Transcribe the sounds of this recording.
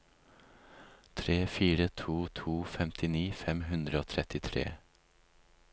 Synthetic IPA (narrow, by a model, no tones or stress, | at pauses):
t̪ʰɾeːfiːɾət̪ʰuːt̪ʰuːfɛmt̪ʰɪniːfɛmɦʉnd̪ɾəoːt̪ʰɾɛt̪ɪt̪ʰɾḛː